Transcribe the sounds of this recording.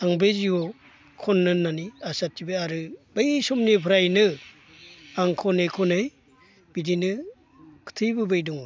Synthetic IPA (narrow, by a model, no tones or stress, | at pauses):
aŋbeziɔ | kʰɔnːɯnːaniasatːibeaɾɯbɯjsɔmnipʰɯɾajnɯ | aŋkʰɔnɯjkʰɔnɯj | b̥idinɯ | kʰɯ̥tʰɯjbɯbɯjduŋ